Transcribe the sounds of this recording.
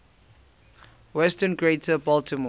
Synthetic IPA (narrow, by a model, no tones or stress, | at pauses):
wɛstə̃nɡɹetʰəbɔltʰəm